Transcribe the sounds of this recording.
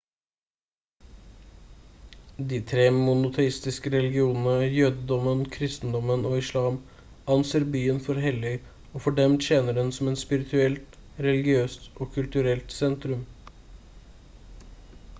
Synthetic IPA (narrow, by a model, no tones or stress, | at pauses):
d̪iːt̪ʰɾeːmʊnʊt̪ʰɛɪst̪ɪskəɾɛlɪɡɪuːnənəjøːd̪əd̪ɔmənkʰɾɪst̪n̩d̪ɔmənoːɪʂlɑːm | ɑnseːɾbyːənfɔɾɦɛlɪ | oːfɔɖɛmt̪ɕeːnəɖɛnsɔmɛt̪spɪɾɪt̪ʰʉɛlt̪ | ɾɛlɪɡɪøːst̪ʔoːkʰʉlt̪ʉɾɛlt̪sɛnt̪ɾʉm